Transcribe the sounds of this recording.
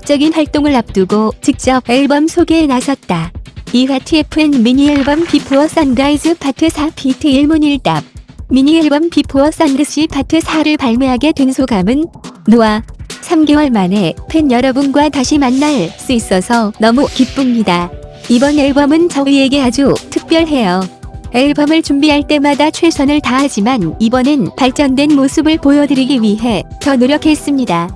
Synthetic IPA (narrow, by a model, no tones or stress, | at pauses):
k̚t͡ɕ͈ʌɡinɸwaɭt͈oŋɯɭap̚t͈ɯɡot͡ɕik̚t͡ɕ͈ʌbeɭbʌmsʰoɡenasʰʌt̚t͈aiɸatʰɯepʰɯnmiɲieɭbʌmpipʰoʌs͈ʌndaid͡ʑɯpʰatʰɯsʰapʰitʰɯiɭmuniɭt͈ap̚miɲieɭbʌmpipʰuʌs͈andɯɕ͈ipʰatʰɯsʰaɾɯɭpaɭmeɦaɡe̞twe̞nsʰoɡamɯnːuwasʰamɡewʌɭmane̞pʰe̞njʌɾʌbɯnɡwataɕʰimanːaɭs͈uis͈ʌsʰʌnʌmukip͈umɲidaibʌneɭbʌmɯnt͡ɕʌie̞ɡe̞ad͡ʑutʰɯk̚p͈jʌɭɦe̞joeɭbʌmɯɭt͡ɕumbiɦaɭt͈e̞madat͡ɕʰwesʰʌnɯɭtaɦad͡ʑimanibʌnɯnpaɭt͡ɕ͈ʌndwe̞nmosʰɯbɯɭpojʌdɯɾiɡiɥiɦe̞tʌnoɾjʌkʰe̞s͈ɯmɲida